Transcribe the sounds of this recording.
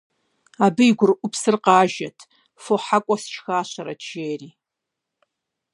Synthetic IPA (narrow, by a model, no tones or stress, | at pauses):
aːbɨjɡʷʊrʔʷʊpʰsɨrqɑːʒɐtʰ | foħakʷʼɔsɨ̥ʃxaːɕɐɾɐ̰tʒeːriː